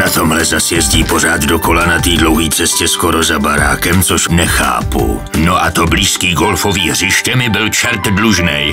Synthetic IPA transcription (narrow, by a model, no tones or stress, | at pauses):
nat̪o̞mlɛzasjɛzɟiːpo̞r̝aːd̪doko̞lanat̪iːdlowɦiːsɛscɛskoɾozabaɾa̰ːkɛmt͡soʃnɛxa̰ːpṵnoʔat̪obliːskiːɡolfoviːɦr̝ɪʃcɛmɪbɪlt͡ʃɛɾt̪dluʒnɛj